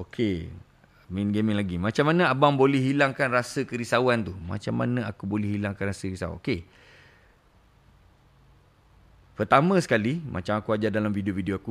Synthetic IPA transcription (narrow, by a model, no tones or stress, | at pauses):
okʰe | minɡemĩŋlaɡimat͡ʃamːanə̃abaŋbolɛhɦilaŋkanrasəkəɾisawant̪uma̰t͡ʃamːa̰nə̃akubolɛhɦilaŋkanrasəkɾisa̰ṵo̰ke | pərt̪amə̃sə̥kalimʔa̰t͡ʃamakuad͡ʒadalamfidiofidioaku